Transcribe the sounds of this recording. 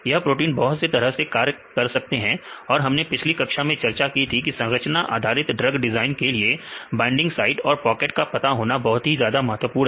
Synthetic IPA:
jɐɦpɾoːʈ̬iːnbɔɦʊt̪set̪ɐɾəɦsekaːɾkɐɾsɐk̚t̪eɦɛ̃ɔːɾɦɐmnepɪt͡ʃʰlikɐkʃamẽt͡ʃɐɾt͡ʃakit̪ʰikisɐ̃ŋɾət͡ʃnaʔa̰ːd̪ʱaːɾɪt̪ɖɾɐɡɖɪzaːɪnkeliebãːɪ̃ɳɖɪ̃ŋɡsaːɪʈɔːɾpɔːkeʈkapɐt̪aɦoːnabɐɦʊt̪ɦizjaːd̪amɐɦət̪ʋəpuːɾɦ

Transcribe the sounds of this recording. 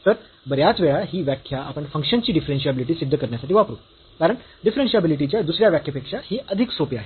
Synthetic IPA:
t̪əɾ | bəɾjat͡sʋeɭaɦiːʋjakʰːjaʔapəɳfəŋkʂənt͡ɕiːɖifɾenɕijabiliʈ̬iːsid̪ːəkəɾɳjasaʈiːʋapɾṵː | kaɾəɳ | ɖifɾenɕijabiliʈ̬it͡ɕjad̪usɾjaʋjakʰjəpekʂahiːʔəd̪ʱiksopiaɦe

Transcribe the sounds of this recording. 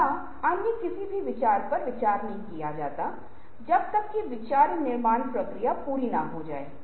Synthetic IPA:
a | anːikɪsibʱiʋɪt͡ʃaːɾpɐɾʋɪt͡ʃaːɾnɐɦĩkijad͡ʒaːt̪a | d͡ʒɐb̚t̪əkːiʋɪt͡ʃaːɾinɪɾmaːnpɾəkɾijapuːɾinaɦod͡ʒa̰ːeː

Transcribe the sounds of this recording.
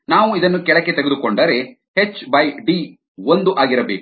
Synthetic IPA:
naːʋuid̪ɐnːukɛɭɐkːet̪eɡed̪ukoɳɖɐɾe̞ | het͡ʃːbɐjɖiː | ond̪uʔaːɡiɾɐbeːk

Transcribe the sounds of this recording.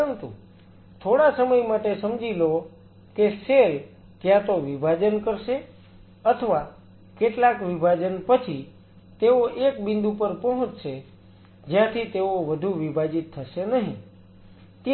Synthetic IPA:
ənt̪ṵ | t̪ʰoɽasəməjmaʈesəmd͡ʒilo | kesel | kjãt̪oʋibʱad͡ʒənkəɾʃe | ət̪ʰəʋa | keʈlakʋibʱad͡ʒənpət͡ʃʰi | t̪eoʔekbɪ̃nd̪upəɾpəɦũt͡ʃʃʰe | d͡ʒjãt̪ʰit̪eoʋəd̪ʱuʋibʱad͡ʒit̪ʰːəʃenəɦḭ̃ | t̪

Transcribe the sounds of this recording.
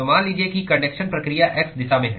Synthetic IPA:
maːnliːd͡ʒiekikɐnekʃənpɾɐkɾijaʔɛksd̪ɪsaːmẽɦɛ̃ː

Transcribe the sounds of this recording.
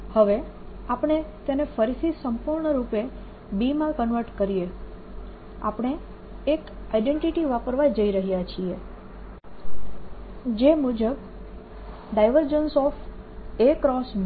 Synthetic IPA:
həʋeapəɳ̃et̪enefʰəɾisisəmpuɾɳəɾupe | bimãkənʋəɾʈkəɾie | a̰pəɳ̃eː | kajɖẽɳʈiʈiʋapəɾʋajd͡ʒəiɾəɦijat͡ʃʰie | d͡ʒemud͡ʒəb | ɖajʋəɾd͡ʒənsɔf | ekɾɔs

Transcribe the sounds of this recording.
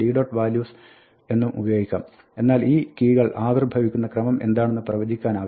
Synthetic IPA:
iːɖoːʈʋaːljuːs | e̞nːumʔṵbɐjo̞ːɡʱikʲːa̰ːm | e̞nːaːliːkiːɣɐɭʔaːd̪rbʱɐʋikʲːunːɐkrɐmɐmʔe̞nd̪aːɳe̞nːɨprɐʋɐd͡ʑʱikʲːaːnaːʋɐ

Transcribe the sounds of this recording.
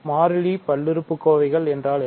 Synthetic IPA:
maːɾɪɻipɐɭːɪɾɯpːɯkːoːʋɐɪɣɐɭɛndraːlɛ

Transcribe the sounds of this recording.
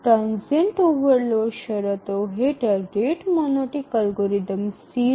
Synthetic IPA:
ʈɾãːnseɳʈoːʋɐɾloʃɐɾɐt̪oɦeʈɐɾɖeːʈmonoʈikɐlɡoɾid̪ɐmsiː

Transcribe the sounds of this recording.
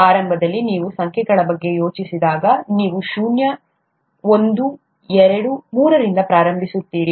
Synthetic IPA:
aːɾɐmbʱɐd̪ɐlːiniːʋusɐŋkʰɛɡɐɭɐbɐɡːe̞jo̞ːt͡ʃisid̪aːɡɐniːʋuʃuːnjɐ | o̞nd̪u | ɛɾɐɽumuːɾɐɾind̪ɐpɾaːɾɐmbʱisut̪ːiːɽi

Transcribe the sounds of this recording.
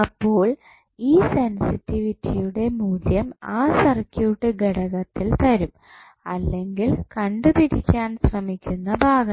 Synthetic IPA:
ɐpːo̞ːɭ | iːsensitːiʋitːijuɽe̞muːd̪jɐmaːsɐrkːjuːʈːɨɡeɽɐɣɐt̪ːilt̪ɐɾum | ɐ̰lːe̞ŋɡilkɐɳɖɨpiɾikʲːaːnsrɐmikʲːunːɐbʱaːɡɐ

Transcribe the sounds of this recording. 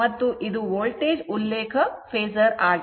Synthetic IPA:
ɐt̪ːuʔid̪uʋoːlʈeːd͡ʒulːeːkʰɐpʰeːzɐɾaːɡ

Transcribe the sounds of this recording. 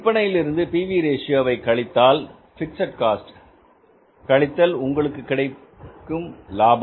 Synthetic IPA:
ɪpːɐɳɐjɪlɪɾɯnd̪ɯpiːʋiːɾeːʂɪjaːʋɐɪkɐɭɪt̪ːaːl | fɪʈsɐʈ̚kaːsʈ | kɐɭɪt̪ːɐlʊŋɡɐɭɯkːɯkːɪɽɐɪ | kːɯmlaːbɐ

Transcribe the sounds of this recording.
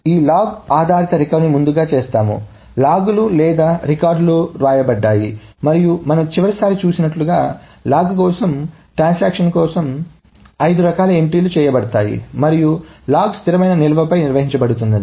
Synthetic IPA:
iːlaːɡaːd̪ʱaːɾit̪ɐɾikɐwnimund̪uɡaːt͡ʃeːst̪aːmṵ | laːɡululɛːd̪aːɾikaːɾɖluɾaːjɐbɐɖːaːjimɐɾijumɐnɐmt͡ʃiʋɐɾisaːɾit͡ʃuːsinɐʈluɡaːlaːɡkɔːsɐmʈɾaːnsaːkʂɐnkɔːsɐm | ɐjd̪uɾɐkaːlɐe̞ɳʈiːlut͡ʃɛːjɐbɐɽɐt̪aːjḭmɐɾijulaːɡst̪iɾɐmɐjnɐnilɐʋɐpɐjniɾʋɐɦiɲt͡ʃɐbɐɽut̪und̪ɐni

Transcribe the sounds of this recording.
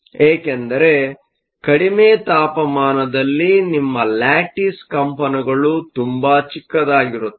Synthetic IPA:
eːkend̪ɐɾe̞ | kɐɽimeːt̪aːpɐmaːnɐd̪ɐlːinimːɐlaːʈiskɐmpɐniɡɐɭut̪umbaːt͡ʃikːɐd̪aːɡiɾut̪ːu̥

